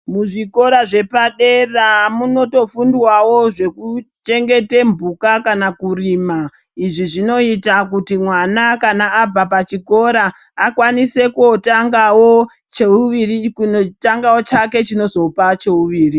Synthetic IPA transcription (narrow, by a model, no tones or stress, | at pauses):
muʐiko̞ɾaʐe̞paɗeramuno̞to̞fundwawo̞ʐe̞kut͡ʃe̞ŋɡe̞te̞mbukakanakurima | iʐiʐino̞itak̬utimwanakanaːb͡vapat͡ʃiko̞ɾaː | kwanise̞kuotaŋɡawo | t͡ʃeuʋirikunotaŋɡawo̞t͡ʃake̞t͡ʃino̞zo̞pat͡ʃe̞uʋiːri